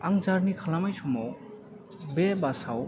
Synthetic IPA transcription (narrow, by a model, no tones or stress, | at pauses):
aŋd͡zaɾnikʰalamajt͡sʰumow | bebasaw